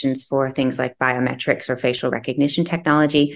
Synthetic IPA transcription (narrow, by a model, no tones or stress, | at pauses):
ɨ̃n̩z̥fə˞θɪ̃ŋzlaɪk̚b̥aɪɨmɛ̰t͡ʃɹ̥ɨksə˞feɪʃl̩ˠɹɛ̰kɨɡ̚nɪʃɨ̃n̩tʰɛk̚nɑlˠəd͡ʒi